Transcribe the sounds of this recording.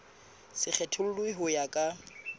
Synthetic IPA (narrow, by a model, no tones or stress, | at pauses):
sɪk͡xʰɛtʰʊlʊlwiɦʊjakʼa